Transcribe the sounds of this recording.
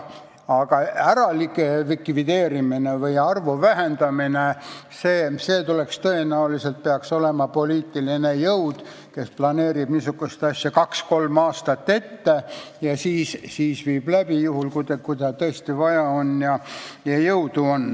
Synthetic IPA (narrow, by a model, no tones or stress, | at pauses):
ɑɡ̥ɑæɾɑlikevikˑvid̪̥e̞ːɾiminevɯjɑrvovæɦend̪̥ɑmine | seːse̞ːt̪ule̞kst̪ɤ̞e̞næulise̞lt̪̚peɑkso̞le̞mɑpo̞liːt̪ːˑiline̞jɤwd̪̥ | ke̞splɑneːɾib̥nisukːust̪ɑsʲjɑkɑksko̞lmɑːst̪ɑt̪ːe̞t̪ːejɑsiːssiːsviːb̥læb̥ijuhulkud̪ekujd̪ɑt̪ɤest̪ivɑjɑonjɑjɑjɤwd̪̥uo̞n